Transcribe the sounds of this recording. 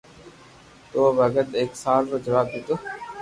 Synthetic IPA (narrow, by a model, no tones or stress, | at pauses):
t̪oːbəɡət̪eːksaːlt̪oːd͡ʒəʋaːb̚d̪eːt̪oː